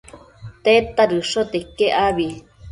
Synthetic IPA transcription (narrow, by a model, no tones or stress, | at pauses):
t̪et̪aɾɨʂot̪ekːeʔaβi